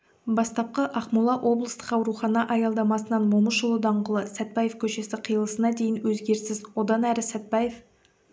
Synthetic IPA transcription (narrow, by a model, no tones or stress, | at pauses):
bɑst̪ɑp̚qəʔɑqmulˠɑʔwʔo̞blˠəst̪ə̥qɑwɾuχɑnɑʔɑjɑlˠd̪ɑmɑsənɑnmoməʃʊlˠəd̪ɑɴʁəlˠəsæt̪̚pɑjefkʲʰɵʃe̞sɪqʰijəlˠəsənɑd̪e̞jɪnwɵzɡʲe̞ɾsɪzwo̞d̪ɑnæɾɪsæt̪̚pɑje̞f